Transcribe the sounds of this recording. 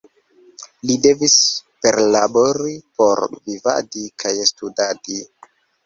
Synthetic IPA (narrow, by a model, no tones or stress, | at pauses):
lide̞vispeɾlabo̞ɾipo̞ɾviva̰dikʰajstudadi